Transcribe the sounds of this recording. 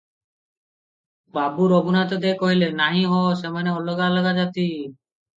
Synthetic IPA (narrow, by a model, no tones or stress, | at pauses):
babuɾɔbunat̪ɔd̪ekɔɦilenaɦĩɦɔsemaneɔlɔɡalɔɡad͡ʒat̪i